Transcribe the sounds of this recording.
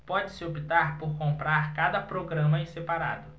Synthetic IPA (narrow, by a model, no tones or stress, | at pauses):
pɔd͡ʒɪsɪopit̪aɾpoɾkõmpɾaɾkad̪ɐpɾoɡɾɐ̃mɐẽsepaɾa̰d̪ʊ